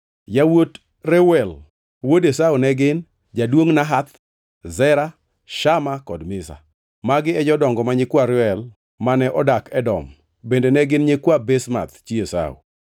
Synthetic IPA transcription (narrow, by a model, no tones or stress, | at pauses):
jawot | rewɛl | wodesawnɛɡɪn | d͡ʒadwoŋnaɦat̪ | zɛɾa | ʃamakɔdmɪsa̰ | maɡɪɛd͡ʒɔdɔŋɡɔmaɲɪkwaɾɪwɛl | manɛʔɔdakɛdɔm | bendenɛɡɪnɲekwabɛsma̰t̪t͡ʃiesa̰ṵ